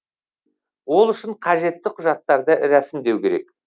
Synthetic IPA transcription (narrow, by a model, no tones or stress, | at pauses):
wo̞lˠʏʃɪɴqʰɑʒe̞t̪ːɪqʰʊʒɑt̪ːɑɾd̪əɾæsɪmd̪e̞wkʲʰe̞ɾe̞̰k